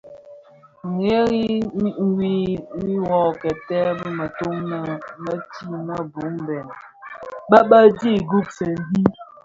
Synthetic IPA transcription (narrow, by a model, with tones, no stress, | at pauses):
ŋ̩˨e˦ɣi˦ŋ̩˦wi˦wi˦wɔ˨kɛ˨tɛ˦bə˦mə˨to˦ŋnə˨mə˦ti˦mə˦bu˨˦ŋbɛ˨n | ɓa˦ɓa˦di˦˨ɡu˦˨k̚se˨n˦di˦